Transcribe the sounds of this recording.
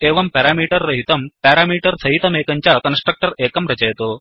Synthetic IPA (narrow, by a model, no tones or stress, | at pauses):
eːʋɐmpɐːɾaːmiːʈɐɾːɐɦit̪ɐmpaːɾaːmiːʈɐɾsɐɦit̪ɐmeːkɐɲt͡ʃaːkɐnsʈɾɐk̚ʈɐɾeːkɐmɾɐt͡ʃɐjɐt̪o